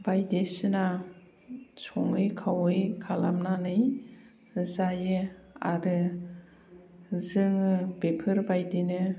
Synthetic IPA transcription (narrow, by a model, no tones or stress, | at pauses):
bajdesɯna | sɔŋɯjkʰawɯjkʰalamnanɯj | zajɯ | a̰ɾɯ | zɯŋɯbepʰɯɾbajdenɯ